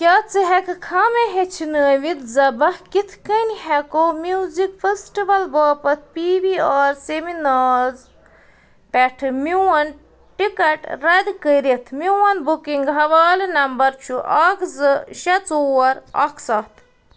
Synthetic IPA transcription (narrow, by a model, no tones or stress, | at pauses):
kʲaːt͡siɦekkʰameɦet͡ʃʰinəːʋit̪zɐbɐhkit̪ʰkənɦɛkomuzikfesʈiʋɐlbɐːpɐt̪̚ʰpibiaːɾseminaːz | pɛʈʰɨmiwɐn | ʈikɐʈɾɐd̪kəɾit̪ʰmiwɐnbukiŋɡɦɐʋaːlinɐmbɐɾt͡ʃʰuʔɐkzɨʃɐt͡soɐɾɐ̰kʰsɐt̪ʰ